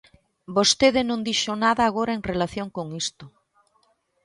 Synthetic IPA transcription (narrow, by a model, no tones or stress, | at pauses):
bost̪eðɪnõnd̪iʃonaðaːɣoɾaeŋrelaθjoŋkoŋist̪o